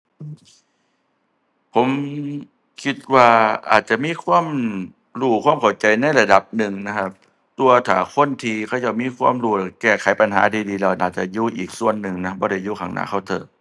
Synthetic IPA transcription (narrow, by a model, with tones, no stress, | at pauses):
ʔː | pʰo˨˩˦m | kʰi˧t̪̚waː˧ʔa̰ː˨˩t̪̚t͡ɕa˨˩ʔmiː˧˥˨kʰwaː˧˥˨m | ɾuː˧˩kʰwaː˧˥˨mkʰa˨˧˩wt͡ɕa˧jna˧˩˨jla˧da˨˩p̚nɯ˨ŋna˧˥kʰa˦˧˥p̚ | t̪u˧ɐ˧t̪ʰaː˨˦kʰo˧˥˨nt̪ʰiː˧kʰa˧˩˨ja˧˩miː˧˥˨kʰwaː˧˥˨mɾuː˧˩˨kɛː˧˩kʰa˨˦jpa˧nɦa̰ː˨˦t̪iː˧diː˧lɛː˧˩nʔaː˨˩t̪̚t͡ɕa˨˧˩juː˧˩ʔiː˨˩k̚su˧˨ənːɯ˨˩ŋna˦˥bɔː˧˦ɾa˧˩juː˧˩kʰa˧˦ŋnʔa̰ː˧˥˩kʰa˧˥˩wt̪ʰɤ̰ː˨˩